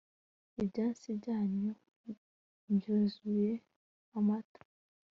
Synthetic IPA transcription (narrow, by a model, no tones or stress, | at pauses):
ibɟaːnsibɟaːɲɲo | bjozuje̞ | amatḁ